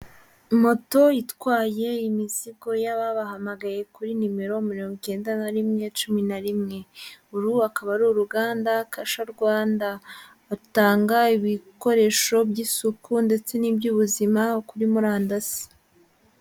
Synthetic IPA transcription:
mo̞to̞jitwaːje̞imiziɡo̞jaβaβaɦamaɡaje̞kuɾinime̞ɾo̞miɾoːŋɡot͡ʃe̞ːndanaɾimŋe̞t͡ʃuminaɾimŋe̞uɾuakaβaɾuɾuɡaːndakaʃaɾɡwaːndaː | taːŋɡaiβiko̞ɾe̞ʃo̞bɟisukunde̞t͡se̞nibɟuːβuzimakuɾimuɾaːndasi̥

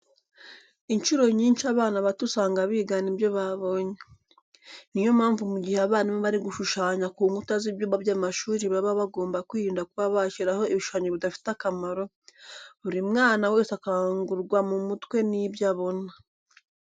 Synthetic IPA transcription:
int͡ʃuɾo̞ɲiːnʃaβaːnaβatusaːŋɡaβiːɡanibjo̞βaβo̞ɲe | nijo̞maːɱvumuɟiheaβaːnimoβaɾiɡuʃuʃaːɲakuːŋɡutazibjoβabjaːmaʃuːɾiβaβaβaɡo̞ːmbakwiːɾiːndakuβaβaʃiɾaho̞iβiʃuʃaːɲeβidafi̥takamaɾo̞ | uɾimŋaːnawe̞ːsakaaŋɡuɾɡwamumutkwe̞nibjaβo̞na

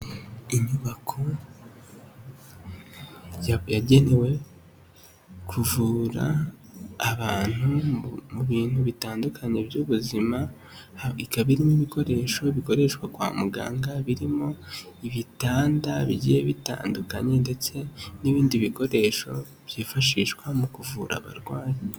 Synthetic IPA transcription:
iɲuβakʰo | jjaɟe̞ne̞we̞ | kʰuvuːɾa̰ː | βaːn̥humuβiːn̥huβitaːndukʰaɲe̞bjuβuzima | ikaβiɾimoiβiko̞ɾe̞ʃo̞βiko̞ɾe̞ʃkwakwa̰ːmuɡa̰ːŋɡaβiɾimo̞ | iβitaːndaβḭɟijeβita̰ːndukaɲe̞nde̞t͡se̞niβiːndiβiko̞ɾe̞ʃo̞̰ | β̥jiːfaʃiːʃkwamukuvuːɾa̰βa̰ɾɡwaːji

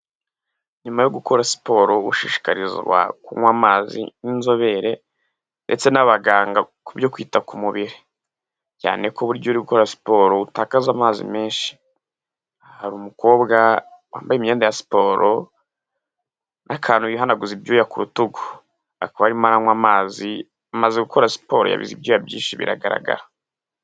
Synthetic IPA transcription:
ɲumajoɡukʰo̞ɾasi̥po̞ːɾo̞ṵʃiːʃi̥kaɾizɡwa̰kuŋwaːmazḭninzo̞βe̞ɾe̞ | nde̞t͡se̞naβaɡaːŋɡakubjo̞kwiːtakumuβiɾi | ca̰ːne̞koβuɾɟouɾiɡuko̞ɾasi̥po̞ɾoutaːkazamaːzḭmeːnʃi̥ | haɾuːmuko̞ːbɡawa̰ːmbajemijeːndajasi̥po̞ːɾʔo | nʔakʰaːnuiɦhanaɡuzibjuːjakuɾutuɡo̥ | a̰kaβaɾimaɾaŋwamaːzi | amazeɡukʰo̞ɾasi̥po̞ɾo̰ja̰βḭzḭbjoːjabjḭːʃiβḭɾa̰ɡaɾa̰ɡa̰ɾa

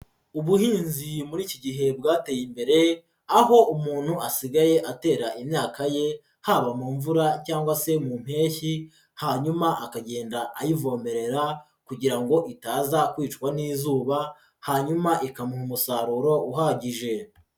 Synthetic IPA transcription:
uβuhiːnzimuɾiːciɟiɦe̞b̚ɡaːtejimbe̞ɾe̞ | aɦo̞umuːn̥huasiɡaje̞ʔate̞ːɾaʔimɲaːkaje̞ | haːβamuːɱvuɾacaːŋɡwase̞mum̥he̞ːçi | haɲumaʔakaɟe̞ːndaʔajivo̞ːme̞ɾe̞ɾa | kuɟiɾaŋɡo̞ʔitaːzakwiːt͡ʃkwaniːzuːβa | haɲumaʔikamuhumusaɾuɾo̞ʔuɦaɟiʒe̞

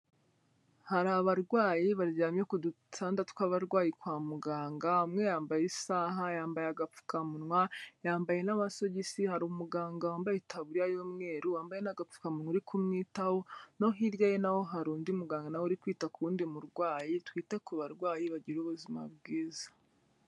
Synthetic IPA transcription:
haɾaβaɾɡwaːjiβaɾɟaːmjekudu | tʰaːndatkwaβaɾɡwaːjikwaːmuɡaːŋɡamŋe̞jaːmbajisaɦajaːmbajaɡap͡fu̥kamunŋwajaːmbaje̞naβaso̞ɟisihaɾumuɡaːŋɡawaːmbajetʰaβuɾijajoːmŋe̞ːɾujaːmbajenaɡap͡fu̥kamunŋuɾikʰumŋiːtaho̞no̞ɦiɾjajenaho̞ɦaɾuːndiumuɡaːŋɡanawoɾikwiːtakuɾuːndimuɾɡwaːjitwiːte̞kuβaɾɡwaːjiβaɟiɾuːβuzima̰bɡiːzḁ

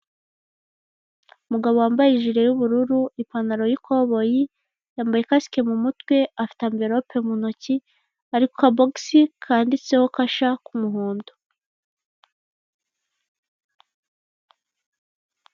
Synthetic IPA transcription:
umuɡaβowaːmbajiʒiɾe̞juβuɾuɾuipanaɾo̞jikʰo̞βo̞ji | jaːmbaje̞kasi̥ke̞mumutwe̞afi̥taːmbe̞ɾaopʰemunoci | aɾikokaboɡsikʰaːndit͡se̞ho̞kaʃakumuɦuːndo

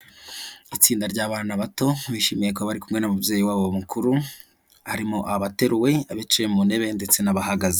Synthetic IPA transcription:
it͡siːndaɾɟaːβaːnaβato̞βiʃimijekoβaɾikumŋe̞namubje̞ːjiwaːβomukʰuɾu | haɾimoʔaβate̞ɾuwe̞aβet͡ʃemune̞βe̞nde̞t͡se̞naβahaɡaze

